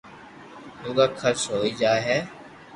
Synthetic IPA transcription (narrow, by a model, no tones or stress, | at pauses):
luːɡaːkʰəɾsɦoːid͡ʒaːɦɛː